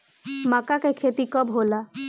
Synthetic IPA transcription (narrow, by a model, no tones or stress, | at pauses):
makakekʰet̪ikəbɦola